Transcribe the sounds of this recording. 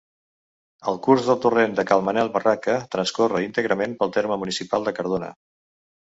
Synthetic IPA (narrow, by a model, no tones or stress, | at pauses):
əlˠkurzðəlˠt̪urend̪əkalˠmənɛlˠβərakət̪ɾənskorəint̪əɣɾəmempəlˠt̪eɾməmunisipalˠd̪əkəɾðonə̰